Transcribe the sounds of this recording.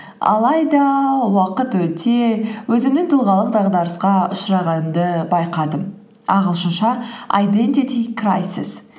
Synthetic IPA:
ɑ̰lˠɑjd̪ɑwɑqət̪wɵt̪ʰe̞wɵzɪnɪŋt̪ʰʊlˠʁɑlˠəq̚d̪ɑʁd̪ɑɾəsqɑʊʃɾɑʁɑnmd̪əbɑjqɑd̪əm | ɑ̰ʁəlˠʃənʃɑa̰jd̪ent̪it̪ikrajsɪ̰s

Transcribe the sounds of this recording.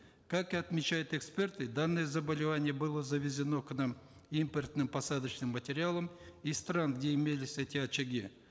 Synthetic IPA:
kakɨɐt̪mʲɪt͡ɕæjʊt̪ɛkspʲe̞rt̪ɨd̪anːəjəzəbəlʲɪvanʲɪjəbɨlˠəzəvʲɪzʲɪno̞knam | impʲɪrt̪nɨmpɐsad̪ət͡ɕnɨmːətʲɪɾʲɪalˠəmist̪ɾanɡdʲeɪmʲelʲɪsʲɛtʲɪɐt͡ɕɪɡʲi

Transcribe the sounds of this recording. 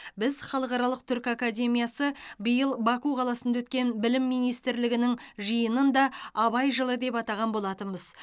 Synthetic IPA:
bɪzχɑlˠəqɑɾɑlˠəq̚t̪ʰʏɾkakad̪ʲe̞mijasəbəjəlˠbɑkuqʰɑlˠɑsənd̪ɑwɵt̪̚kʲe̞nbɪlɪmːijnijst̪ɪɾlɪɡʲɪnɪŋʒəjənənd̪ɑɑbɑjʒəlˠəd̪e̞pɑt̪ɑʁɑnbo̞lˠɑt̪ənbəz̥

